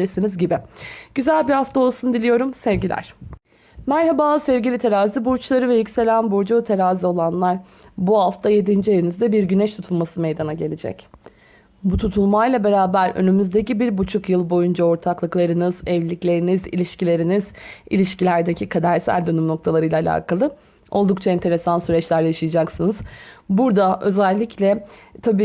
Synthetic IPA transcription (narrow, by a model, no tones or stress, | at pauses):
ɾisinizɟibɪɟ̥yzælʲbihaft̪ʰao̞lˠsund̪ilʲijo̞ɾumsɛvɟilʲæ̰ɾ̥ | mæɾhabaːlˠɯsɛvɟilʲit̪ʰe̞ɾaːzibuɾt͡ʃlˠaɾɯvɛjycʲse̞lʲænbuɾd͡ʒut̪ʰe̞ɾaːzio̞lˠanlˠaɾ | buaft̪ʰaje̞d̪ind͡ʒijeinizd̪ɛbiɾɟynɛʃt̪ʰut̪ʰulˠmasɯmejd̪anaɟe̞lʲed͡ʒɛ̰c | but̪ʰut̪ʰulˠmajlˠabe̞ɾaːbæɾø̰nymyzd̪e̞cibiɾbut͡ʃʰukjɯlˠbo̞jund͡ʒao̞ɾt̪ʰaklˠɯklˠaɾɯnɯzɛvlʲiclʲe̞ɾinizḭlʲiʃcilʲe̞ɾinizḭlʲiʃcilʲæɾd̪ecʰikʰad̪æɾsæ̰lʲd̪ønymno̞kt̪ʰalˠaɾɯjlˠaːlʲa̰ːkʰalˠɯ | o̞lˠd̪uk̚t͡ʃʰaɛnt̪ʰe̞ɾe̞sansyɾɛt͡ʃlʲæɾjaʃɯjad͡ʒaksɯnɯz̥buɾd̪aʔø̞̰zælʲːiclʲɛt̪ʰabiː